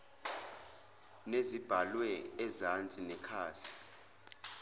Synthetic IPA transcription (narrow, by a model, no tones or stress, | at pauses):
nezib̥ʱalwɛːzant͡sʼinɛkʰaːsi̥